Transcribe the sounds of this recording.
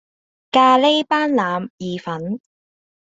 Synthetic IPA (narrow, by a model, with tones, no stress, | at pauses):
kaː˧le˥jpaː˥nlaː˨˧mjiː˨fɐ˨˥n